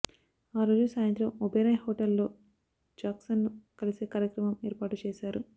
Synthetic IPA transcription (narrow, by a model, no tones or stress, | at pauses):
aːɾo̞ːd͡ʒusaːjɐnt̪ɾɐmɔbɐjɾɐjhoːʈɐlːo̞ː | d͡ʒaːksɐnːukɐliseːkaːɾjɐkɾɐmɐmeːɾpaːʈut͡ʃeːsaːɾu